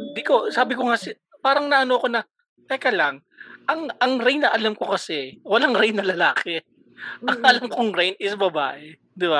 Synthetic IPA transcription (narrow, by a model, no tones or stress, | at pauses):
d̪iko̞saːbɪko̞ŋasɪ | paːɾɐŋnɐʔɐno̞ɐko̞nɐ | t̪ɛkɐlaŋ | ʔɐŋɐŋɾɛjnːɐʔɐlamko̞kɐsɛwɐlaŋɾɛjnːɐlɐlaːkɛ | ʔɐŋʔɐlamkoŋɾejnɪsbɐba̰ːʔɛ | d̪ɪba